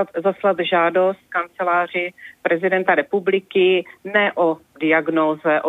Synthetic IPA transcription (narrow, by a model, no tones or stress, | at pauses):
t̪zaslat̪ʒaːdo̞st̪̚kant͡sɛlaːr̝ɪpɾɛzɪdɛnt̪aɾɛpublɪkɪnɛʔodɪaɡnoːzɛʔo